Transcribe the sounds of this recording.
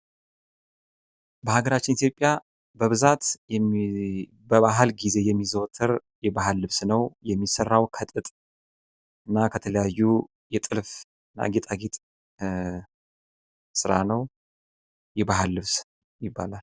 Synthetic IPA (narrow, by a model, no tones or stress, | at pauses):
bəhaɡəɾat͡ʃːɪnit̪jo̞pʼja | bəβɨzat̪j | bəβaɦalɡize̞jɛmːizəwt̪ʰəɾ | jɛbaɦalːɨβsnəwjɛmːisərːawkʰət̪ʼɨt̪ʼ | ɨnːakʰət̪ʰələjajːu | jɛt̪ʼɨlf | ɨna̰ɡet̪ʼaɡet̪ʼ | sɨɾanəw | jɛbaɦalːɨβs | jɪbːa̰lal